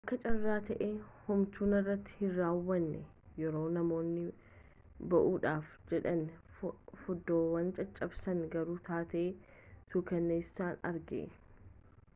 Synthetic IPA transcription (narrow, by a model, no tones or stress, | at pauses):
ʔɐkːɐt͡ʃʼɐrːaːt̪ɐʔeːhʊmt̪uːnɪrːɐt̪ːɪ̥hɪrːaːwːɐnːɛ | jɛɾo̞ːnɐmo̞ːnːɪ | bɐʔuːᶑaːfd͡ʒɛᶑɐn | fɔd̪ːoːwɐnt͡ʃʼɐt͡ʃʼːɐbsɐnɡɐɾuːt̪ʰaːt̪eːt̪uːkɐnːeːsːaːnɐ̰ɾɡḛː